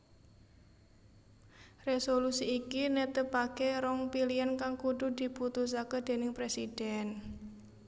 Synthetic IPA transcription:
resolusiːkinet̪əpakeɾɔŋpiliankaŋkuɖṳd̪̥i̤put̪us̬akəd̪̥e̤nɪŋpɾesid̥ɛn

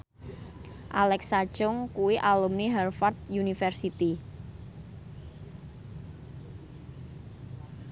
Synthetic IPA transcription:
ʔalɛksḁʒʊŋkuwiʔalumniɦɛrfart̪̚junifɛrsit̪i

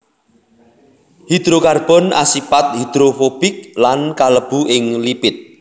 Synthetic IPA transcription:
hid̪̥ɾokarb̥ɔ̤nʔa̰sipat̪̚hid̪̥ɾofob̥ɪk̚lankaləb̥uʔɪŋlipɪt̪̚

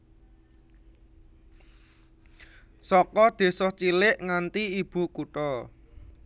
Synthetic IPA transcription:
sɔkɔd̪̥e̤sɔht͡ʃilɪʔŋant̪iib̥ṳkuʈɔ

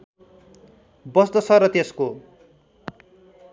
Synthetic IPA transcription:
bʌst̪ʌsʰʌrʌt̪esko

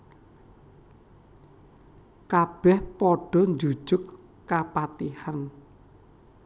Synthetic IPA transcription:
kab̥ɛhpɔɖ̥ɔ̤nd͡ʒu̥d͡ʒ̥ʊkː | apat̪ihan

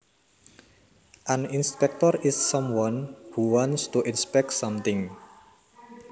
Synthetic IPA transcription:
ʔaninspɛk̚t̪ɔɾɪsːɔmwɔnhuwɔnst̪uʔinspɛk̚tsʌmt̪ɪŋ

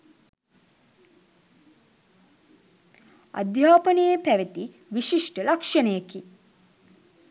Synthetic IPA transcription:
a̰d̪jaːpənəjepæʋet̪i | ʋiʃiʂʈəlakʂɐnəjeki

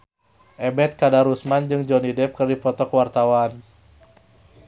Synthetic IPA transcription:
ʔɛbɛt̪̚kadaɾusmand͡ʒɨŋd͡ʒɔnidɛp̚kɨrdipɔt̪ɔkəwart̪awan

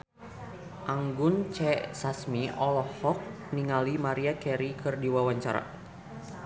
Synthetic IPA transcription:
ʔaŋɡʊnt͡ʃɛsasmiɔlɔhɔk̚ | niŋalimaɾiakɛɾikɨrdiwawaɲt͡ʃaɾa̰

